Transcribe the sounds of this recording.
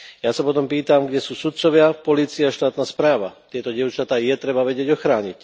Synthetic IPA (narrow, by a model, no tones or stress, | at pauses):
jasapɔt̪ɔmpiːt̪amɡɟɛsuːsut̪̚t͡sɔʋɪapɔliːt͡siaːʃt̪aːt̪naspɾaːʋa̰t̪ɪɛt̪ɔɟɪɛʊt͡ʃat̪aːjɛt̪ɾɛbaʋɛɟɪɛɟɔxɾaːɲic